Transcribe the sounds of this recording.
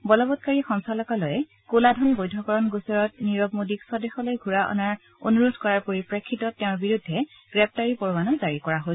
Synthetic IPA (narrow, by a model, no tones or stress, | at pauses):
bɔlɔbɔt̚kaɹixɔŋsalɔkalɔjɛ | koladʱɔnbojdʱɔkɔɹɔnɡusɔɹɔtniɹɔb̚modiksɔdɛxɔlojɡʱuɹaʔɔ̰naɹ | o̰nuɹodʱkɔɹaɹpoɹipɹekʰːitɔtːɛʊ̃ɹbiɹudʱːɛ | ɡ̥ɹɛp̚taɹipɔɹbanɔzaɹikɔɹaɦojs